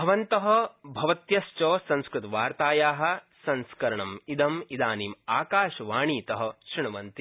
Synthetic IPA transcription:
bʱɐʋɐnt̪ɐɦɐ̆bʱɐʋɐt̪jɐst͡ʃoːsɐ̃nskɾut̪ɐʋaːɾt̪aːjaːɦɐ̆ | sɐ̃nskɐɾɐɳɐmid̪ɐmid̪aːniːmaːkaːʃɐʋaːɳiːt̪ɐɦɐ̆ʃɾiɳɐʋɐnt̪i

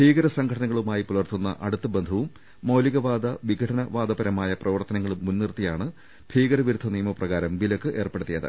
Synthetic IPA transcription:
bʱiːɡɐɾɐsɐŋɡʱʰɐʈʰɐnɐŋːɐɭumaːjipulɐrt̪unːɐ̰ʔɐɽut̪ːɐbe̞nd̪ʱɐʋumː | oːliɣɐʋaːd̪ɐʋiɡʱɐʈʰɐnɐʋaːd̪ɐbɐɾɐmaːjɐprɐʋɐrt̪ɐnɐŋːɐɭumːunːirt̪ːijaːɳɨ | b̥ʱiːɡɐɾɐʋiɾud̪ʱːɐnijɐmɐprɐɣaːɾɐmʋilɐkːɨʔe̞ːrpe̞ɽut̪ːijɐðɨ̰

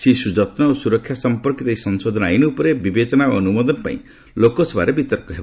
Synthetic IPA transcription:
sisud͡ʒɔt̪nɔosuɾɔkʰːjasɔmpɔɾkit̪ejsɔnsod̪ʱɔnajnɔupɔɾebibet͡ʃɔnao̰ɔnumɔd̪ɔnpa̰ḭ̃ | lokɔsɔba̰ɾebit̪ɔɾkɔɦeb

